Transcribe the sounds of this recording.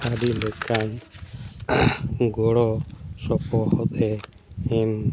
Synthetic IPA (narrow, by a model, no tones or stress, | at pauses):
aɾilɛkʰan | ɡɔɽɔsɔpɔhɔt̪ɛ | ɛm